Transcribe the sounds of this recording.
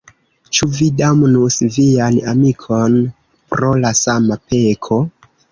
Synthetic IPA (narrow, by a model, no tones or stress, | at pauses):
t͡ʃuvidamnusvijanamikʰo̞n | pɾo̞lasamape̞kʰo